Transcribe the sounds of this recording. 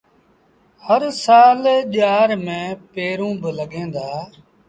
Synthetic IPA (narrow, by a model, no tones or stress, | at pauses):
həɾsaːlʄaːɾmẽːpeːɾũːbələɠẽːnd̪aː